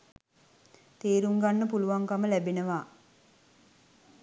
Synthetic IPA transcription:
t̪eːɾuŋɡanːəpuluʋaŋkaməlæbenəʋaː

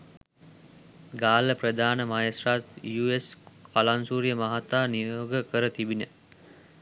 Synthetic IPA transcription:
ɡaːləprəd̪ʱaːnəmajesrat̪juːeskalansuːɾjəmaɦat̪aːnijoːɡəkəɾət̪ibinə

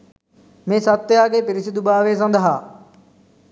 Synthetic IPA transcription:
mẽːsɐt̪ːjaːkeːpɪɾɪsid̪ubaːʋeːs̬ɐ̃nd̪ʱəɦaː

